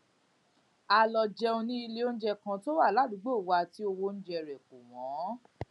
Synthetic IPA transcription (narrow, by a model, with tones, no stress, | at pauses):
a˨lɔ˨d͡ʒɛ˧o˧nĩ˧˦i˧le˦o˦n̩˦d͡ʒɛ˧kã˧to˦wa˦˨la˨˦˨du˨˦ɡ͡bo˦˨wa˧ti˦o˧wo˧˦n̩˦d͡ʒɛ˧ɾɛ˨ku˨w̃ɔ̃˨˦